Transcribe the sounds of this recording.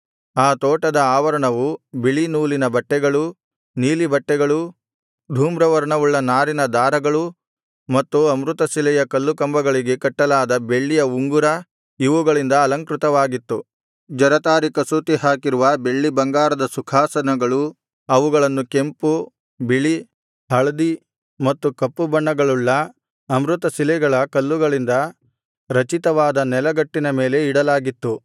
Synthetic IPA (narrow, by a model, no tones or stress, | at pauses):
aːt̪ɔːʈɐd̪ɐaːʋɐɾɐɳɐʋubiɭinuːlinɐbɐʈːɛɡɐɭu | niːlibɐʈːɛɡɐɭu | d̪ʱuːmɾɐʋɐɾɐɳɐʋuɭːɐnaːɾinɐd̪aːɾɐɡɐɭu | mɐt̪ːuɐmɾut̪ɐsilɛjɐkɐlːukɐmbɐɡɐɭiɡe̞kɐʈːɐlaːd̪ɐbe̞ɭːijɐuŋɡuɾɐ | iʋuɡɐɭind̪ɐːlɐŋkɾut̪ɐʋaːɡit̪ːu | d͡ʒɐɾɐt̪aːɾikɐsuːt̪iɦaːkiɾuʋɐbe̞ɭːibɐŋɡaːɾɐd̪ɐsukʰaːsɐnɐɡɐɭu | ɐʋuɡɐɭɐnːuke̞mpu | biɭi | hɐɭɐd̪i | mɐt̪ːukɐpːubɐɳːɐɡɐɭuɭːɐ | ɐmɾut̪ɐsilɛɡɐɭɐkɐlːuɡɐɭind̪ɐ | ɾɐt͡ʃit̪ɐʋaːd̪ɐnɛlɐɡɐʈːinɐme̞ːle̞iɽɐlaːɡit̪ːu